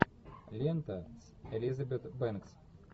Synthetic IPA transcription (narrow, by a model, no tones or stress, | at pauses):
lʲent̪ɐs | ɛlʲizɐbʲet̪bɛnks